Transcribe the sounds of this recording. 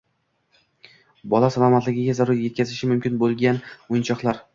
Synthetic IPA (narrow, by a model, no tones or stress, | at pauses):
bɒlˠasalˠɒmat̪lɪɡʲɪɡʲazaɾʊɾjekʲʰazɪʃɪmʊmkʲʰɪnbolˠɡʲanʊjɪnt͡ʃʰɒqlˠaɾ